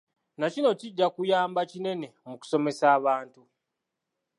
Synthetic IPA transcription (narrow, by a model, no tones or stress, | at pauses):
nacino̞ciɟːakujaːmbacine̞ne̞muku̥so̞me̞saːβaːntu